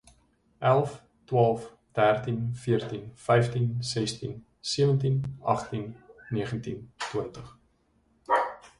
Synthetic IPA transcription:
ʔælˠf | twɑːlˠf | d̥ærtinfiərtinfɛjftinsɛstḭn | siəvəntinɐχtinːiəχəntintwəntəχ

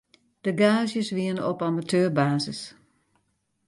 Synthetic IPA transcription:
d̥əɡaːzjəsʋiənɔpamatʰøːrbaːzəs

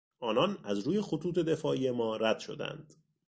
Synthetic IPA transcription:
ʔɒːnɒnæzɾuːje̞xot̪ʰuːt̪ʰe̞d̪e̞fɒːʔiːje̞mɒːɾæd̪̥ʃo̞d̪æ̰nd̪̥

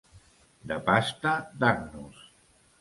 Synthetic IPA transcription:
d̪əpast̪ad̪aɾnus

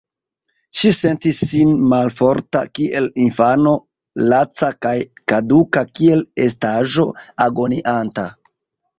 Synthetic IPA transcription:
ʃise̞ntisːinmalfo̞ɾta̰kiʔe̞linfano̞ | lat͡sakajkadukakie̞le̞s̬taʒo̞aɡo̞niʔanta

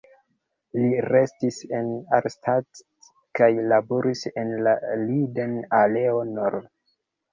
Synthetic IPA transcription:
liɾestise̞naɾstʰat | kajlaboɾisenlalidenaleonoɾd

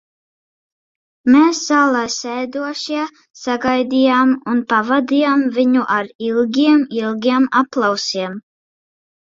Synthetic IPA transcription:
meːszaːlˠaːsɛjd̪uɔʃiɛ | saɡajd̪ʲijaːmunpavad̪ijamvʲiɲuʔaɾilˠɡʲiɛmilˠɡʲiɛmaplˠawsiɛm

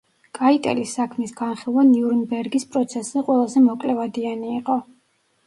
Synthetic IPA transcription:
kʼait̪ʼɛ̰lisːakʰmisɡanχilˠvaniuɾnbɛɾɡispʼɾɔt̪sʰɛszɛqʼwɛlˠazɛmɔkʼlɛvad̪ianiːqʼɔ

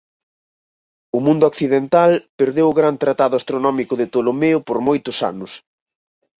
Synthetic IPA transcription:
ʊmũnd̪ʊɔkθiðent̪alpeɾðewʊɣɾant̪ɾat̪aðʊast̪ɾonɔmikʊðet̪olomeʊpoɾmojt̪ʊsa̰nʊs

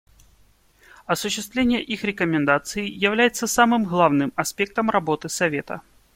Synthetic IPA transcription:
ɐsʊɕːɪst̪vlʲenʲɪjəʔixɾʲɪkəmʲɪnd̪at̪sɨɪjɪvlʲæjɪt̪səsamɨmɣlˠavnɨmɐspʲe̞k̚t̪əmrɐbo̞t̪ɨsɐvʲe̞t̪ə̰

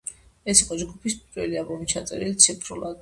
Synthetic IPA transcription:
ɛsiqʼɔd͡ʒɡupʰispʼiɾwɛliabɔmit͡ʃʰat̪sʼɛ̰ɾilit̪sʰipʰɾulˠad̪

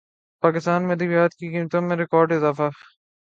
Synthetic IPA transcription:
paːkɪst̪aːnmed̪ibijaːt̪kikiːmt̪omẽɾɪkɔːɾɖɪzaːfa

